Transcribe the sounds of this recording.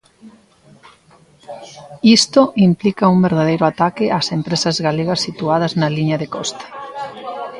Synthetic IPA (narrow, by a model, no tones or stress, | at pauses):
ist̪oʔimplikɐuŋbeɾð̞að̞ejɾoat̪akɪʔasempɾesɐzɣaleɣɐsːit̪uað̞ɐznɐliɲɐðekɔst̪ḁ